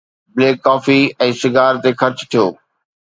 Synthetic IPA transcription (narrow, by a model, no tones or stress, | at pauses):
bleːkːaːfiɛ̃ːʃɪɡaːɾt̪exɐɾt͡ɕt̪ʰijoː